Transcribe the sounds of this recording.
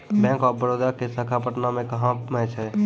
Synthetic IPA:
bɛ̃ːŋkɔːɾbəɾoːd̪akesəkʰapəʈnamẽkəɦãmɛ̃ːt͡ʃʰɛ

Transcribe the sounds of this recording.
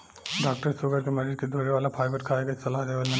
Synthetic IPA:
ɖaːk̚ʈəɾsoɡəɾkemɐɾiɾked̪ʱoɾeʋaːlapʰaːjbəɾkʰaːeɡɐsɐlaɦd̪eːʋalmɐ

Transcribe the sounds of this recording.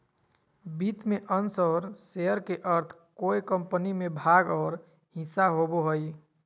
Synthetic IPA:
bit̪meʔənsɔɾseəɾkeʔəɾt̪ʰkojkəmpənimebʱaɡɔːɾ | ɦĩsaɦoboɦoj

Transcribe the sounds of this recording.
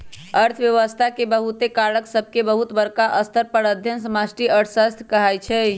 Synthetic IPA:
əɾt̪ʰəʋjəʋəst̪ʰakebəɦut̪ekaɾəksəbʱkebəɦut̪bəɾkaʔəst̪əɾpəɽəd̪ʱjənsəmasʈiəʈʰsəst̪ʰkəɦajt͡ʃʰɛ

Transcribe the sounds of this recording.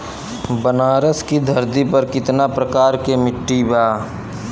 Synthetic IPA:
bənaːɾəskid̪ʱɐɾd̪ipɐɾkɪt̪napɾəkaːɾkemɪʈːibaː

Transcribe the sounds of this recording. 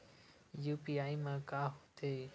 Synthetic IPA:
jupiajmãkahu̥t̪ʰe

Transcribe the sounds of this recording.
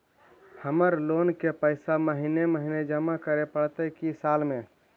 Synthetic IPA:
həməɾlonkepəɪsaməɦineməɦined͡ʒəmakəɾepəɽt̪əkisalme

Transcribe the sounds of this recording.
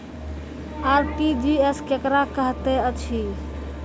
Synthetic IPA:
aɾʈid͡ʒieskekɾakəɦt̪ɛət͡ʃʰi

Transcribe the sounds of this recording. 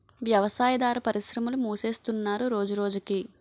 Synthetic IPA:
ʋjɐʋɐsaːjɐd̪aːɾɐpɐɾiʃɾɐmulumuːse̞ːst̪unːaːɾuɾo̞ːd͡ʒuɾo̞ːd͡ʒuki

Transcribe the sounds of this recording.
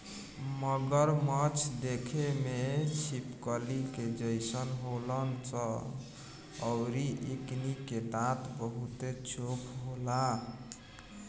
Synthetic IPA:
məɡəɾmət͡ʃʰd̪ekʰemet͡ʃʰipkəliked͡ʒəjsənɦolənt͡ʃə | ʊɾiʔekniket̪at̪bəɦut̪et͡ʃʰokʰɦola

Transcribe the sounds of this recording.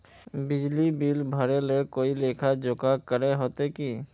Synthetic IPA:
bɪd͡ʒlibilbʱəɾelekoilekʰad͡ʒokʰakəɾeɦot̪eki

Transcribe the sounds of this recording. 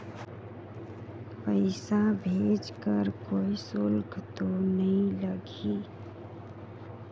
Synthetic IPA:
pəɪsabʱeːd͡ʒkəɾkoːisʊlɡʰʱt̪onəɦĩləɡiː

